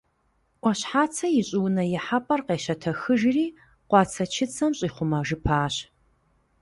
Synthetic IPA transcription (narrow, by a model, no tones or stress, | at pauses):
ʔʷɔɕħaːt͡sʰɐjɪɕʼɪwnɐjɪħapʼɐrqeːʃɐtʰɐxɨʒriː | qʷɑːt͡sʰɐt͡ʃʰɪt͡sʰɐmɕʼiːχʷʊmɐʒɨpʰaːɕ